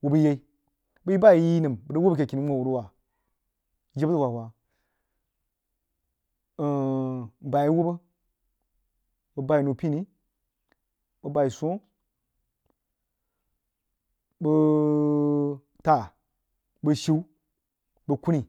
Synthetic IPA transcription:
wo˨bə˦je˦i˦ | bə˦ji˦ba˦˨ji˦nɨ˨mbə˨də˦wbə˦kʲe˨ki˨ni˦o˦˨wu˨ɾu˦wa˨˦ | d͡ʒe˦bə˦wa˨wa˨ | ba˨ji˦wo˦bə˦ | bə˨ba˦i˨no˨pi˦ni˦ | bə˨ba˨i˨so˦ | bə˧ | ta˨ | bə˨ʃi˦w | bə˨ku˦ni˨

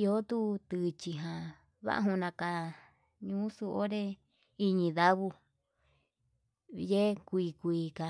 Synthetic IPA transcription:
i˧o˦t̪u˦t̪ɨ˧t͡ʃi˧ɦã˨ | βa̰˦ʔɦũ˧nã˧ka˧ | ɲũː˦su˧ʔo˦ɾe˦ | i˧ɲĩ˧ða˦βu˧ | je˦kʷi˧˨kʷiː˧ka˧

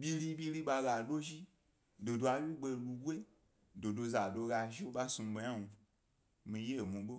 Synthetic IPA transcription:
bʲi˧li˧bʲi˧li˦ɓa˧ɡa˨do˦ʒi˦ | do˨do˧a˧wi˦ɡ͡be˧˨˧lu˧ɡʷe˦ | do˨do˧za˨do˧ɡa˧ʒi˦o˦ɓa˦su˧m˧ɓe˧ɲa˦nũ˧ | mĩ˧je˦˨mũ˨ɓo˦

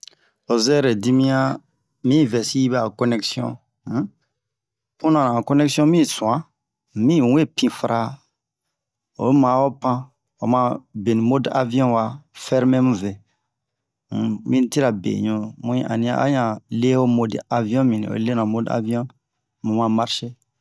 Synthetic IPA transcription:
o˨zɛ˦ɾe˨di˦mĩ˦ã˦ | mĩ˦˨vɛ˨si˦ji˦bɛ˦˨a˨kɔ˦nɛ˦ksjɔ̰̃˦ | pũ˦nã˨nã˨kɔ˦nɛ˦ksjɔ̃˦mĩ˦sũ˨ã˦ | mĩ˦˨we˦˨pĩ˦fɾʔa˦ | o̰˨˦mã˨˦o˦pã˦ | o̰˨mã˧be˨nĩ˨mo˦da̰˦vĩ˦ɔ̃˦wa˨fɛ˦ɾmɛ̃˦mũ˦vɛ˨ | mĩ˦n˦ti˦ɾa˨bḛ̃˨ɲõ˦mũ˦˨ʔa̰˨nĩ˦ã̰˦ʔa̰˦ɲã˨le˦o˦mo˦da˨vi˦ɔ̃˦mĩ˨nḭ̃˨o̰˨˦le˦nã˨mo˦da̰˦vi˦ɔ̃˦ | mũ˨mã˨ma˦ɾʃe˦

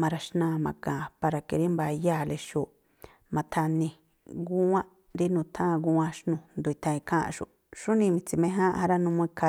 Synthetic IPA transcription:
mã˧ɾa˧ʃnã˧˨mã˧kã˨pa˧ɾa˧ke˧ɾi˦mba˧ja˦˨le˧ʃu˧˨ | mã˧t̪ʰa˧nĩ˧ | ɡu˦ã˦ | ɾi˦nũ˧t̪ʰã˦˧ɡu˦ã˦ʃnũ˧nd̪u˧i˧t̪ʰã˧ĩ˧kʰã˦ʔa̰˧ʃṵ˨ | ʃu˦nĩ˧mĩ˧t͡si˧mẽ˦ɦã˦ʔha˧ɾa˦nũ˧mũ˧i˧kʰa˧

